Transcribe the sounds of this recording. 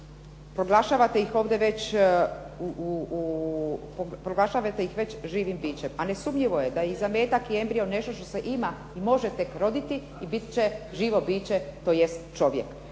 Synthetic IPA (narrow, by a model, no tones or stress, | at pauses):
pɾoɡlˠaʃaʋat̪eixo̞ːʋd̪eʋe̞t͡ɕ | u | pɾoɡlaʃaʋat̪ejixʋe̞t͡ɕʒiːʋimbiːt͡ɕemanesumʎiʋo̞jed̪ajizame̞ːt̪akie̞mbɾione̞ʃt̪oʃt̪oseʔima | imo̞ʒet̪e̞kɾo̞d̪it̪i | ibit̪t͡ɕeʒiːʋo̞biːt͡ɕet̪o̞ːjest̪t͡ʃo̞ʋjek